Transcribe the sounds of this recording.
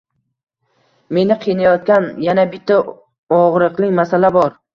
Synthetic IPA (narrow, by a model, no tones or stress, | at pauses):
me̞nɪqʰɨjnajɒt̪̚kʲanjanabɪt̪ʰːa | ɒʁɾɨqlˠɪkʲmasalabɒɾ